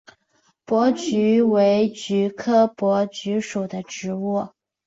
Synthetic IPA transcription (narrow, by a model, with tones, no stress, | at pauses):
pwɔ˧˥t͡ɕy˧˥we˧˥ɪt͡ɕy˧˥kʰɤ˥˩pwɔ˧˥t͡ɕy˧˥ʂu˨˩d̪ə˦ʈ͡ʂɻ̩˧˥wu˥˩